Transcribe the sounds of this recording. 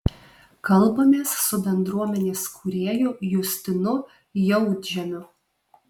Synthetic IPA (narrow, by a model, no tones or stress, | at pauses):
kɐlˠbɐmʲeːsːʊbʲɛnd̪ɾuɔmʲɛnʲeːskʰʊɾʲeːjʊjʊsʲt̪ʲɪnʊ | jɛʊd̪ʲʒʲɛmʲʊ